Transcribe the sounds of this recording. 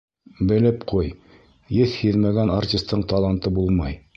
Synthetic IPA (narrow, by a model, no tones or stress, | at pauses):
bɘ̆lɘpqʰuj | jɘθhiðmæɡænartʲist̪ːɤɴt̪ɑlˠɑnt̪ɤbulˠmɑj